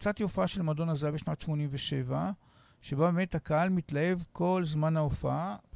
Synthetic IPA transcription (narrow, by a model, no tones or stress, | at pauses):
t͡satiofaaʃe̞lmado̞nazabeʃnatʃmo̞nimveʃe̞va | ʃe̞babeme̞thakahalmitlahe̞vko̞lzmanhaofaa